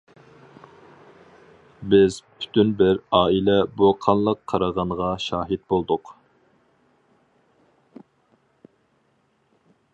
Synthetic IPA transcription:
bɪzpʰy̥t̪ʰynbɪɾɑːilɛbuqʰɑnlˠəqʰːɑɾɑʁɑnʁɑʃɑːɦɪd̪bolˠd̪ʊq

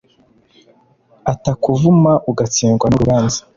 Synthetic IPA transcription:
atakuvumaʔuɡat͡siːŋɡwanuɾuβaːnzḁ

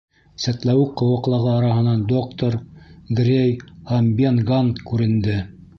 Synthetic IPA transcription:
sæt̪læwɘqɤ̆wɤ̆qlˠɑʁɤɑɾɑɦɤ̆nɑnd̪okt̪oɾɡrʲejhæmbʲenɡant̪kʉɾɘ̆nd̪ɘ

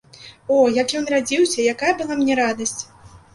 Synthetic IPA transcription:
ɔjakjɔnrad͡zʲiwsʲɐjakajɐbɨlˠamnʲɛɾad̪ɐsʲt͡sʲ

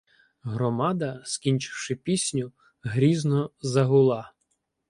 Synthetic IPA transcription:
ɦɾɔmɑd̪ɐskʲinʲt͡ʃɪ̥wʃɪpʲisʲnʲʊ | ɦɾʲiznɔzɐɦʊlˠɑ

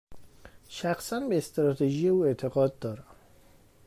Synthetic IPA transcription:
ʃæxsænbeːst̪ɾɒːt̪ʰeʒijeuːe̞t̪ʰe̞ɣɒːd̪̚d̪ɒːɾæm

